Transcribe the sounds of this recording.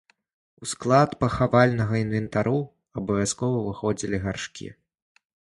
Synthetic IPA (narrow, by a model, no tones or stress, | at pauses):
usklˠat̪pɐxavalʲnɐɣɐinvʲɛnt̪aɾu | ɐbɐvʲaskɔvɐvɨxɔd͡zʲilʲiɣarʂkʲḭ